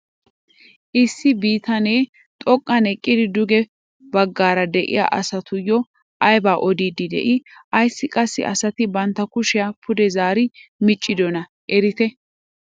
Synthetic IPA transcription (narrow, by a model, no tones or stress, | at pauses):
ʔɪsːɪbiːt̪ɐneː | t̪ʼɔkʼːɐnɛkʼːɪd̪ɪd̪ʊɡɛ | bɐɡːaːɾɐd̪ɛʔɪ̰ja̰ːʔɐsɐt̪ʊjːɔ | ʔɐjbaːʔɔd̪iːd̪ɪd̪ɛ̰ʔɪʔɐjsːɪkʼɐsːɪ̰ʔɐsɐt̪ɪbɐnt̪ːɐkʊʃɪjapʰʊd̪ɛzaːɾɪmɪt͡ʃʼːɪd̪ɔnɐ | ʔɛɾɪt̪ɛ